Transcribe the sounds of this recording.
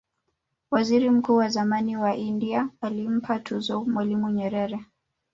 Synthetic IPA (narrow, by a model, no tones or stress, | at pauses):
waziɾim̩kuːwazamaniwaʔindiaːlim̩pʰatʰuzɔmwalimuɲɛɾɛɾɛ